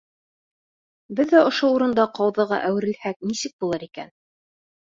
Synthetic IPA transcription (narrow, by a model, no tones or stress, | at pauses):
bɘðːæŏʃouɾɤ̆nd̪ɑqɑwðɤ̆ʁɑ̰ʔæwɘ̆ɾɘ̆lhæk̚nisɘk̚bulˠɤɾikæ̰n